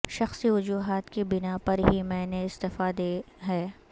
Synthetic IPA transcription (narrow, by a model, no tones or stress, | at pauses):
ʃɐxsiʋʊd͡ʒuːɦaːt̪kibɪnapɐɾɦimɛ̃ːneɪst̪ɪfaːd̪e | ɦɛː